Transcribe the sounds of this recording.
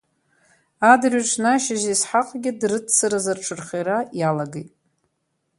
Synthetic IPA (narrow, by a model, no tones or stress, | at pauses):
adrʲɥʈ͡ʂʷʰnaʃaʒesħaqʼɡʲɪdrɨtʰt͡sɨɾazarʈ͡ʂʰɨrχejɾajalaɡejtʼ